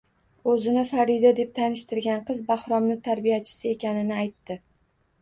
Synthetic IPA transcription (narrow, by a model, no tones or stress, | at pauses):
ɵzɪnɪfaɾid̪ad̪e̞p̚t̪ʰanɪʃt̪ɪɾɡʲanqɨzbahɾɒmnɪt̪ʰaɾbijat͡ʃʰɪ̥sɪe̞kʲanɪnɪajt̪ːɪ